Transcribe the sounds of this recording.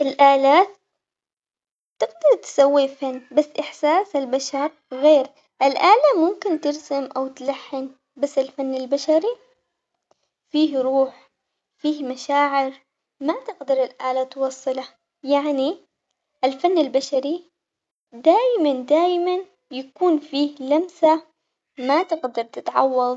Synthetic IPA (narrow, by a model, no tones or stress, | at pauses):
ʔɪlʔaːlaːt̪ | ɪɡd̪ɑɾˤt̪sawːifanːbasːʔɪħsaːsɪlbaʃɑɾˤ | ɣeːɾ | ʔɪlʔaːlamʊmkɪnt̪ɪɾsamʔawt̪laħːɪn | basːɪlfanːɪlbaʃaɾi | fiːhɾuːħ | fiːhmaʃaːʕɪɾ | mat̪ɪɡd̪ɑɾˤɪlʔaːlat̪wɑsˤːɨla | jaʕni | ʔɪlfanːɪlbaʃaɾi | d̪aːjmand̪aːjman | jakuːnfiːhlamsa | mat̪ɪqd̪ɑɾˤt̪ɪt̪ʕɑ̰wːɑðˤ